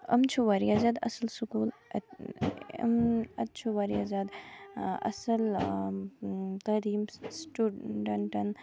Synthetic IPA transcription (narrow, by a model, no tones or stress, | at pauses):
ɐmt͡ʃʰuʋɐɾjazad̪ɐ̰sɐlsukuːl | ɐ̰mɐt̪̚t͡ʃʰuʋɐɾjazad̪ | ɐ̰sɐl | t̪ɐd̪iːmsʈuɖɐɳʈɐn